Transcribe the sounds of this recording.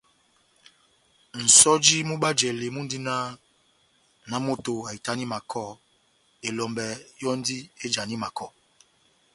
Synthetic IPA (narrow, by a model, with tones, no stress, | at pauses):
n̩˨sɔ˦d͡ʒi˦mu˦ɓa˦d͡ʒɛ˨le˨mu˦n˦di˦na˦ | na˦mo˦to˨a˨i˨ta˦ni˦ma˨kʰɔ˦˨ | e˨lɔ˨mbɛ˨jɔ˦n˦di˦e˦d͡ʒa˨ni˦ma˨kɔ˦˨